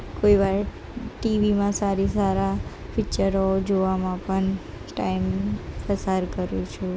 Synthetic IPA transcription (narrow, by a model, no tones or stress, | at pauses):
koiʋaɾ | ʈiʋimãsaɾisaɾa | pʰit͡ʃəɾod͡ʒoʋamãpəɳ | ʈaimfəsaɾkəɾjũt͡ʃʰu